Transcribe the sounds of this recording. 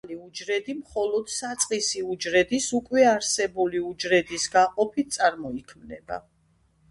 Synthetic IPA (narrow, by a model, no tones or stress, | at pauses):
liud͡ʒɾɛd̪imχɔlɔd̪̥sat̪sʼqʼisiud͡ʒɾɛd̪isukʼwɛaɾsɛbuliud͡ʒɾɛd̪isɡaqʼɔpʰit̪̚sʼaɾmɔikʰmnɛba̰